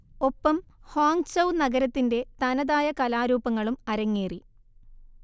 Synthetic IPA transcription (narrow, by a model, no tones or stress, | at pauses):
o̞pːɐmhoːŋɡsɐwnɐɡɐɾɐt̪ːinde̞t̪ɐnɐðaːjɐkɐlaːɾuːpɐŋːɐɭumɐɾɐŋːeːri